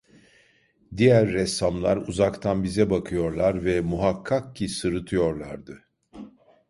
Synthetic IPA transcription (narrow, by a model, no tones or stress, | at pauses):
d̪ijæɾːɛsːamlˠa̰ɾuzakt̪ʰanbizɛbakʰɯjo̞ɾlˠaɾvɛmuɦakʰːak̚cʰisɯɾɯt̪ʰɯjo̞ɾlˠaɾd̪ɯ